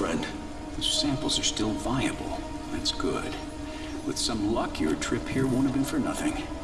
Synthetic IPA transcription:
fɹɛ̃nd̥ | ðo̥sæ̃mpl̩ˠzə˞stɪlˠvaɪɨb̰l̩ˠ | ðætsɡ̥ʊ̰d̥ | wɨð̥sʌ̃mlʌkiə̰˞tʰɹ̥ɪphiɹwõʊ̃nɨvbɨ̃nfə˞nʌθɪ̃ŋ

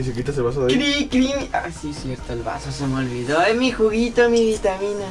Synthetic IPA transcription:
isukit̪as̬eβas̬oðaɾikɾimasisjeɾt̪oelβa̰sosemeolβiðoemixuɣit̪omiβit̪amĩna

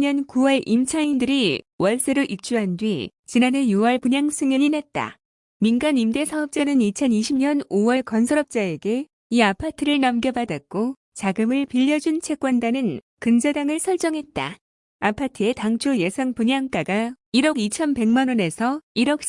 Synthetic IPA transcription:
ɲʌnkuwʌɭimt͡ɕʰaindɯɾiwʌɭs͈eɾɯʔik̚t͡ɕ͈uɦandwit͡ɕinane̞juwʌɭpuɲaŋs͈ʰɯŋiɲinet̚t͈a̰ | minɡanimde̞sʰaʌp̚t͡ɕ͈anɯnit͡ɕʰʌniɕʰibɲʌnowʌɭkʌnsʰʌɾʌp̚t͡ɕ͈ae̞ɡe̞ | iapʰatʰɯɾɯɭnʌmɡjʌbadak̚k͈o | t͡ɕaɡɯmɯɭpiʎːʌd͡ʑunt͡ɕʰe̞k͈̚wandanɯn | kɯnd͡ʑadaŋɯɭsʰʌɭt͡ɕ͈ʌŋɦe̞t̚t͈a̰ | apʰatʰɯe̞taŋt͡ɕʰoje̞sʰaŋpuɲaŋk͈aɡaiɾʌɡit͡ɕʰʌnpe̞ŋmanwʌne̞sʰʌiɾʌk̚

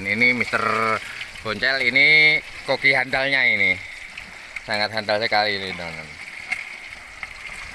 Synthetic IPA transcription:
ninimist̪ər | b̥ɔɲt͡ʃɛlinikokiɦandalɲaini | saŋat̪̚ɦandalsəkalinidoŋən

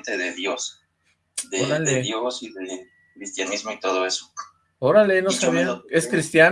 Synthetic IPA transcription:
nt̪eðeðjos | d̪eoɾaleðjosiðe | kɾist̪janizmoit̪oðoeso̥ | oɾalenoskaβjeneskɾist̪ja

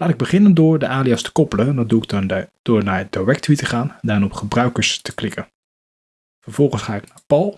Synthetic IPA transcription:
laːtɪɡ̚bəχɪnəndʊːɹdəʔaːliastə̥kɔpələnndɔnduɪɡ̚d̥ʊːɹnaːɹəd̥aɹɛk̚tʋitəχaːndaːnɔpχəbrœɥkəɹstə̥klɪkən | vəɹv̥ɔlˠχənsχaːɪknaːɹpɑlˠ

